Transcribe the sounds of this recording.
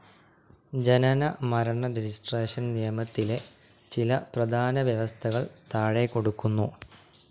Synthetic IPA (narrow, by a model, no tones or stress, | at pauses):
d͡ʑenɐnɐmɐɾɐɳɐɾed͡ʑisʈreːʂɐnnijɐmɐt̪ːile̞ | t͡ɕilɐprɐd̪ʱaːnɐʋjɐʋɐst̪ʰɐɣɐɭt̪aːɻeko̞ɽukːunːu